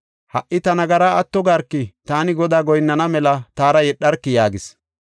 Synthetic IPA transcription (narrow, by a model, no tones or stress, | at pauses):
hɐ̰ʔːɪt̪ɐnɐɡɐɾaːɐt̪ːɔɡɐɾkːɪt̪aːnɪɡɔd̪aːɡɔjnːɐnɐmɛlɐt̪aːɾɐjɛɗɐɾkːɪjaːɡɪs